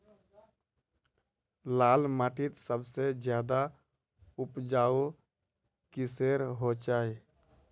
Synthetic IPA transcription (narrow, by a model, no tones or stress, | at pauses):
laːlmaːʈit̪səbsed͡ʒjad̪a | upd͡ʒau | kiseɾɦot͡ʃaːi